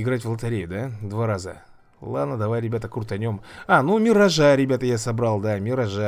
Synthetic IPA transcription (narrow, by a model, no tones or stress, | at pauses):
ɪɡɾatʲvlˠət̪ɐɾʲejɪd̪ad̪vaɾazə | lˠa̰d̪nəd̪ɐvajɾʲɪbʲat̪əkut̪ɐnʲomanumʲɪrɐʐaɾʲɪbʲat̪əjasɐbɾalˠd̪amʲɪɾɐʐa